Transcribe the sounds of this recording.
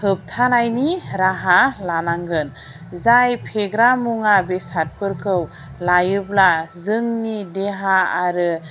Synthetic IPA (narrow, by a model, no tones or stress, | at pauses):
hɯp̚tʰanajniɾaɦalanaŋɡɯn | zajpʰeɡɾamuŋabesat̚pɯɾkʰɯw | lajɯblazɯŋnideɦaːɾɯ